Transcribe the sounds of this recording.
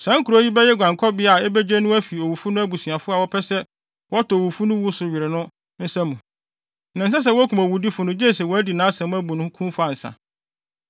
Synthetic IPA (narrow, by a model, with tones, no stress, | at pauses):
sã˨˦ŋ̩˦kʰu˨ɾo˦ji˦bɛ˦jɛ˦ɡʷã˨ŋ˨kʰɔ˦bɪ˦a˨ɛ˦bɛ˦d͡ʑɛ˦nʊ̃˦æ˦fi˨o˨wu˨fu˦nʊ̃˦æ˦bu˨si˨a˨fʊ˦a˨wɔ˦pʰɛ˦sɛ˦ | wɔ˦tɔ˨o˨wu˨fu˦nʊ̃˦wu˦sʊ˨ɥɪ˨ɾɪ˨nʊ̃˦ | n̩˦sã˦mũ˨ | nã˨s̬a˦s̬ɛ˦wɔ˦æ˦kʰu˨mæ˨wu˨di˦fʊ˨nʊ̃˦d͡ʑɛ˦˨sɛ˨wɔ˨˦æ˦di˨nãː˨˦sã˨m̃˦æ˦bu˨nʊ̃˦kʰũ˦m˦fʊ˦a˨n̩˨sã̰˨